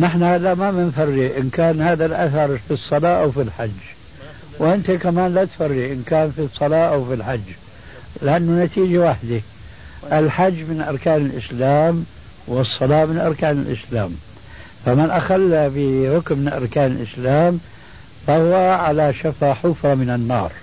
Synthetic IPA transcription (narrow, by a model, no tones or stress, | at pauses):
nɪħnahaːðamamɪnfarːiʔɪnkaːnhaːðalʔaθɑɾˤfisˤːɑlɑːʔawfilħad͡ʒː | wʔɪnt̪akamaːnlat̪farːiʔɪnkaːnfisˤːɑlɑːʔawfilħad͡ʒː | lɪʔanːʊnat̪iːd͡ʒawaħd̪a | ʔɪlħad͡ʒːmɪnʔɑɾˤkaːnɪlʔɪ̰slaːm | wɨsˤːɑlɑːmɪnʔɑɾˤkaːnɪlʔɪ̰slaːm | famɪnʔaxalːabɪɾʊkmɪʔɑ̰ɾˤkaːnɪlʔɪslaːm | fahʊwaʕalaʃafaːħʊfamɪnanːɑ̰ːɾˤ